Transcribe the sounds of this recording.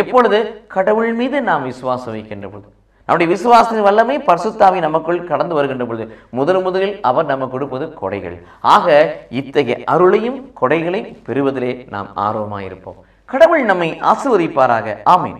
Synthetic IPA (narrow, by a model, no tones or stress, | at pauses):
ɛpːɔɻɯðɯkɐɽɐʋɯɭmiːðɯnaːmʋɪsɯʋaːsɐʋɐɪkːɪndrɐpɔɯðɯ | nɐmːɯɽɐjɐʋɪsɯʋaːsɐɪnʋɐlːɐmeːpɐɾɐsɯt̪ːaːʋɐnɐmɐkːɯɭkɐɽɐnd̪ɯʋɐɾɯɣɛndrɐpɔɭɯðɯmʊðɐlmʊðɐlɪlɐʋɐɾnɐmːɐkːʊɽɯpːɐðɯkɔ̰ɽɐ̰ɪɣɐ̰ɭ | ʔaːɣɐɪt̪ːɐɣɐ̰ʔɐɾɯɭɐjɯmkɔɽɐɪɣɐɭɐjpɛɾɯʋɐðɪleːna̰ːma̰ːɾoːʋɐma̰ːjɪ̰ɾɯpːo̰ːm | kɐɽɐʋɯɭnɐmːɐɪʔɐ̰sɯʋɐðɪpːaːɾaːɣɐʔaːmḭːn